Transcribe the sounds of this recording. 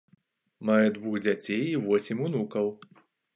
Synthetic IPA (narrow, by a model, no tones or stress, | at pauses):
majɛd̪vuɣd͡zʲat͡sʲejivɔsʲimʲunukɐw